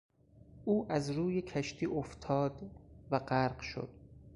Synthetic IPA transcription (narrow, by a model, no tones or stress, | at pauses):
ʔuːʔæzɾuːjekʰæʃt̪ʰiːʔoft̪ʰɒːd̪væɢæɾɢʃo̰d̪̥